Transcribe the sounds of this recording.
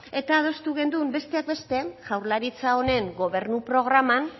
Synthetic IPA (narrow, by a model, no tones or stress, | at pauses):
e̞t̪aːð̞o̞st̪uɣ̞e̞nd̪umbe̞st̪e̞ak̚be̞st̪e̞ʝ̥awɾlaɾit͡saone̞ŋɡo̞β̞e̞ɾnupɾo̞ɣ̞ɾaman